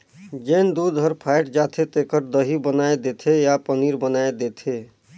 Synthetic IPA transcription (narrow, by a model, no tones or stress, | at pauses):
d͡ʒend̪ud̪ʱəɾpʰajʈd͡ʒat̪ʰet̪ekəɾd̪əɦibənaed̪et̪ʰejapəniɾbənaed̪et̪ʰe